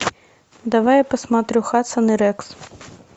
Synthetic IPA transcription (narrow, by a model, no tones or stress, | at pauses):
d̪ɐvajpɐsmat̪ɾʲuxat̪sɐnɨɾɛks